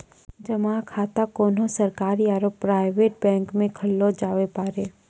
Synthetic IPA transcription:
d͡ʒəmakʰaːt̪akoːnõsɐɾkaːɾiaːɾoːpːɾaːɪʋeːʈ̚bɛ̃ːŋkmẽkʰɐlːod͡ʒaːwepaːɾeː

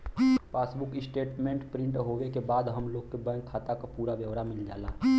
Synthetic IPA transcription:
paːsbʊkɪsʈeːʈmẽːɳʈpɾɪ̃ɳʈɦoːʋekebaːd̪ɦəmloːɡkebɛ̃ːŋkʰːaːt̪akapuːɾaʋjəʋɾamɪld͡ʒa̰ːla̰ːɦ

